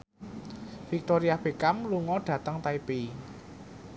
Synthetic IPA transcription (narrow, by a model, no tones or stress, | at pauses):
fik̚t̪oɾiab̥e̤kamluŋɔɖ̥ä̤t̪əŋt̪aipe